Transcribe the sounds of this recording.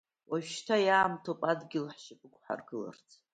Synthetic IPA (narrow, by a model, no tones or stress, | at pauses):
waʒtʰajaːmtʰopʼadɡʲɪlħʃɪpʼɨkʷʰʼħa̰rɡɨla̰rt͡sʰ